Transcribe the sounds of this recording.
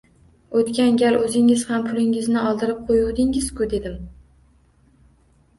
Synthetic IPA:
ot̪kʲanɡʲalʔɵzɪŋɪz̥hampʰʊlɪŋɪznɪɒlˠd̪ɪɾɪp̚qʰojuwd̪ɪŋɪz̥kʊd̪e̞d̪ɪm

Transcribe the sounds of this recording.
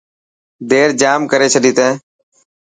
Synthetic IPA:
d̪eːɾd͡ʒaːmkəɾeːt͡ʃʰəɗiːt̪ẽː

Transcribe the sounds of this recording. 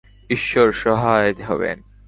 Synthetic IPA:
iʃːoɾʃɔɦajd̪ɦɔ̰bḛn

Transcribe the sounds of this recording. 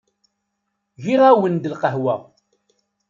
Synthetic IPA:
ʝiʁæwənd̪əlqəhwæ̰

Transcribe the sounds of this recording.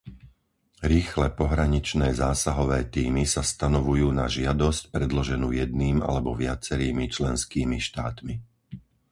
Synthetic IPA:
ɾiːxlɛpɔɦɾaɲit͡ʃnɛːzaːsaɦɔʋɛːt̪iːmisast̪anɔʋujuːna̰ʒɪad̪ɔscpɾɛd̪lɔʒɛnṵːjɛd̪̚niːma̰lɛbɔʋɪat͡sɛɾiːmit͡ʃlɛnskiːmiʃt̪aːt̪mi

